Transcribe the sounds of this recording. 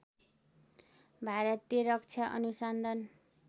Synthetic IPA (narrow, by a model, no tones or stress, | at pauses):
bʱaɾʌt̪jeɾʌkt͡sʰaʔʌ̰nusʌnd̪ʱʌn